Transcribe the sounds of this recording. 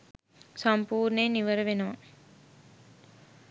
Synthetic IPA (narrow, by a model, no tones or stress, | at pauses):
sampuːɾneniʋəɾəʋenəʋa